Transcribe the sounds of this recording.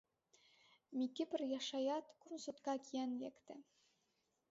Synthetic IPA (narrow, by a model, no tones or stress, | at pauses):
mʲikʲːɘpʲɘ̆rʲjɑʂɑjɑt̪kunsut̪kɑkʲijænjækt̪ɘ̆